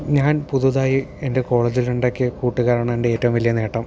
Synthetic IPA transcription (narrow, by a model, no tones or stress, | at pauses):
ɲaːnpuðuðaːjie̞nde̞ko̞ːɭɐd͡ʑiluɳɖokːɨkuːʈːuɣɐɾaːɳɐmɳɖeeːtːɐʋumʋɐlijɐne̞ːʈːɐm